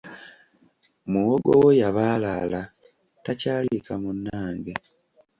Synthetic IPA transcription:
muwoɡowojaβaːlala | tacaːlikamunːaːŋɡe

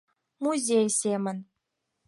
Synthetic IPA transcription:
muzʲejsʲemə̆nʲ

